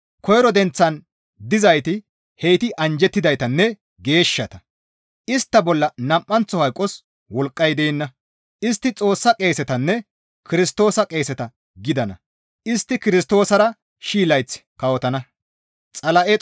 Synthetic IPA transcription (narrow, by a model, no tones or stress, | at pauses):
kɔjɾɔd̪ɛnt͡sːɐn | d̪ɪzɐjt̪ɪ | hejt̪ɪʔɐnd͡ʒɛt̪ːɪd̪ɐjt̪ɐnːɛ | ɡe̞ːʃːɐt̪ɐ | ɪst̪ːɐbɔlːɐnɐmʔːɐnt͡sːɔhɐjkʼːɔs | wɔlkʼːɐjd̪ɛːnːɐ | ʔɪs̬t̪ːɪt͡sʼo̞ːsːɐkʼe̞ːsɛt̪ɐnːɛ | kɪɾɪst̪o̞ːsɐkʼe̞ːsɛt̪ɐ | ɡɪd̪ɐnɐ̰ | ɪst̪ːɪkɪɾɪst̪o̞ːsɐɾɐ | ʃiːlɐjt͡sːkɐwɔt̪ɐnɐ | t͡sʼɐlɐʔɛ